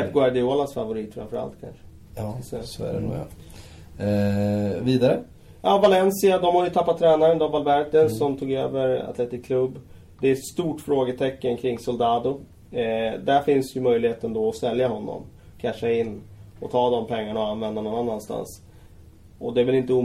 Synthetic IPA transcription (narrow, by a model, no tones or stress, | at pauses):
t̪ɡʊaɖɪoːlasfa̰vʊɾiːt̪fɾa̰mfœɾa̰lt̪kʰa̰nʂə̥ | ssɔæ̰ɾɛ̰nṵːa̰ | viːd̪aɾə | jʔɑːvalɛnsɪad̪ɔmhajɵt̪ʰapːat̪ʰːɾɛːnaɾənd̪abalbæɾt̪ənsːɔmt̪ʰuːɡø̰ːvəɾa̰t̪lɛt̪ːɪkːʰlɵbː | d̪ɛɛt̪st̪uːʈfɾoːɡət̪ʰɛkːənkʰɾɪŋːsɔld̪ɑːd̪ʊ | d̪æɾfɪnsjɵmœjlɪheːt̪ənd̪ɔɔsɛljaɦɔnːɔ̰mkʰanʂəɪnːɔt̪ʰɑːd̪ɔmpʰɛŋːaɳaɔanvɛnd̪anɔnːanːanst̪a̰ns | ɔd̪ɛːɾvɛlɪnt̪əuː